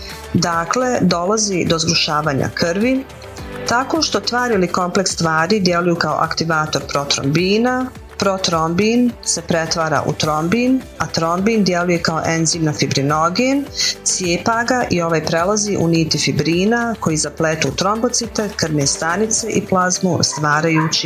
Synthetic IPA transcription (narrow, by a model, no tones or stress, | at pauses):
d̪akle̞d̪o̞lˠazid̪o̞zɡɾuʃaːʋaːɲa̰kɾʋi | t̪ako̞ʃt̪ot̪ʋaːɾiliko̞mple̞kst̪ʋaːɾid̪je̞lujukao̰ʔa̰kt̪iʋaːt̪o̞ɾpɾo̞t̪ɾo̰mbiːna | pɾot̪ɾombinse̞pɾet̪ʋaːɾa̰ʔṵt̪ɾo̞mbiːn | at̪ɾo̞mbind̪je̞luje̞kaoʔe̞nziːmnafibɾino̞ɡensjeːpaɡaʔio̞ʋaːjpɾelˠaziʔuniːt̪ifibɾiːnako̞jizapleːt̪ut̪ɾo̞mbot̪sit̪ekr̩nest̪anit̪se̞ʔiplˠazmust̪ʋaːɾajuːt͡ɕi